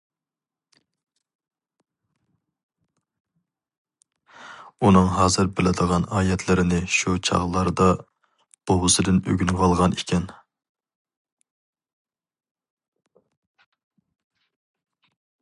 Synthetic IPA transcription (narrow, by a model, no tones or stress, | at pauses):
unɨŋɦɑːzɨɾbɪlɪd̪əʁɑnɑːjɛt̪ʰlɪɾɪnɪʃut͡ʃʰɑ̰ʁlˠɑɾd̪ɑ | b̥owɨsɨd̪ɪnø̰ɡʲynʁɑlˠʁɑnʔikʲʰɛn